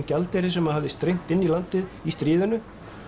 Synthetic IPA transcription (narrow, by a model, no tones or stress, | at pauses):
calt̪ɛɾɪsɛmaðhavðɪst̪ɾejŋ̥t̪ɪnːilant̪ɪðist̪ɾiːðʏnʏ